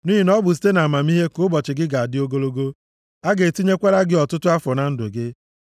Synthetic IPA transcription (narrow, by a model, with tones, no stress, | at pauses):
ni˦i˨nɔ˦bʊ˨s̬i̥˦te˦na˨ma˨mi˦ɦe˦kʊ˦bɔ˨t͡ʃɪ˨ɡɪ˦ɡa˨a˨dɪ˦o˦ɡo˦lo˦ɡo˦ | a˦ɡe˨ti˦ɲe˦kʷa˦ɾa˦ɡɪ˦ɔ˨tʊ˦tʊ˦a˦fɔ˨na˨n̩˦dʊ˨ɡɪ˦